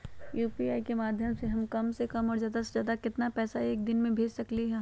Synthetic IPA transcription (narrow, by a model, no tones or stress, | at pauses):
juːpiaːikemaːd̪ʱjəmseɦɐmkɐmsekɐmɔːɾzjaːd̪asezjaːd̪akɪt̪napɛːsaeːk̚d̪ɪnmẽbʱeːd͡ʒsɐkliɦɛ